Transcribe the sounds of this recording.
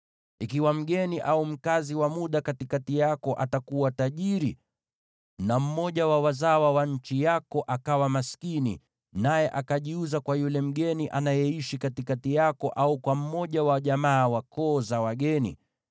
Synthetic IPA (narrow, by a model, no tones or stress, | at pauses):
ikiwam̩ɠɛniʔaum̩kaziwamuɗakatikatijakɔʔatakuwataʄiɾi | nam̩mɔʄawawazawawaɲ̩t͡ʃijakɔʔakawamaskinḭ | najɛʔakaʄiuzakwajulɛm̩ɠɛniʔanajɛiʃikatikatijakɔʔaukwam̩mɔʄawaʄamaːwakɔːzawaɠɛnḭ